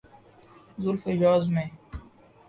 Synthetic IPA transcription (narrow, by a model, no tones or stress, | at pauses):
zʊlfejɔːzmẽ